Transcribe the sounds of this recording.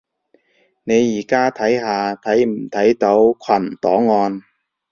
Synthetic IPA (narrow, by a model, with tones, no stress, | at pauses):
ne˨˧jːiː˨˩kaː˥t̪ʰɐ˨˥jɦaː˨˧t̪ʰɐ˨˥jm̩˨˩t̪ʰɐ˨˥jt̪o˨˥wkʰwɐ˨˩nt̪ɔ̰ː˨˥ŋɔː˧n